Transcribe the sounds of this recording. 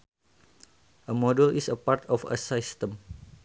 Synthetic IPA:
ʔəmɔdulisəpart̪ʰɔfə̰sist̪əm

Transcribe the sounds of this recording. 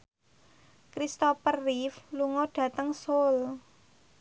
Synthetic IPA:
kɾist̪ɔpərːifluŋɔɖ̥ä̤t̪əŋsol

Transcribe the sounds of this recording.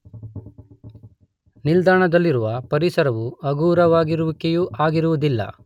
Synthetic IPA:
nild̪aːɳɐd̪ɐlːiɾuʋɐpɐɾisɐɾɐʋuɐɡuːɾɐʋaːɡiɾuʋikejuːʔaːɡiɾuʋud̪ilːɐ̰

